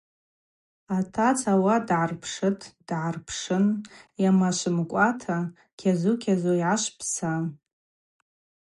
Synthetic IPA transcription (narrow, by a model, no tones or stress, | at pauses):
atʰat͡sʰawadʕarpʰʂɨtʼd̥ʕarpʰʂɨnjamaʃʷɨmkʷʼatʰa | kʲʰazukʲʰazoiʕaʃʷpʰsa